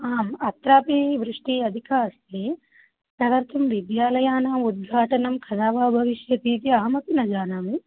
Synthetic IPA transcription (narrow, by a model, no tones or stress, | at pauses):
aːmɐt̪ɾaːpiʋɾɪʂʈiɐd̪ʱikʰaːɐst̪ʰi | sɐʋɐɾt̪ʰɐmʋid̪jaːlɐjaːnaːmud̪̚ɡʱaːʈɐnɐmkʰɐd̪aːʋaːbʱɐʋiʃjɐt̪iːt̪iɐɦɐmɐpinɐd͡ʒaːnaːmi